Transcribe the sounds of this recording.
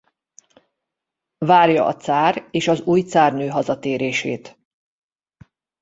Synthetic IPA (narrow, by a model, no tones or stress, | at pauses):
vaːrjɒ̰ʔɒ̰t̪saːreːʃɒzuːjt̪saːrnøːɦɒzɒt̪eːɾeːʃḛːt̪